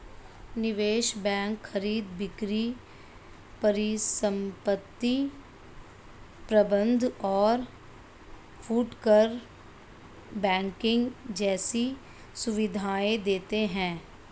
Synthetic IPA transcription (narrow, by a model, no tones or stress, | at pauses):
nɪʋeːʃbɛ̃ːŋkxəɾiːd̪bɪkɾi | pəɾisə̃mpət̪ːi | pɾəbə̃nd̪ʱɔːɾ | fʰuːʈkəɾ | bɛ̃ːŋkɪ̃ŋɡd͡ʒɛːsi | sʊʋɪd̪ʱaːed̪eːt̪eɦɛ̃ː